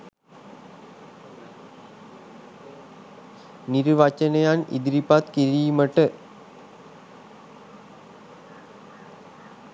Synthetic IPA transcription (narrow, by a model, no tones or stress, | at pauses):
niɾuʋat͡ɕɐnejanḭd̪iɾipat̪kiɾijuməʈə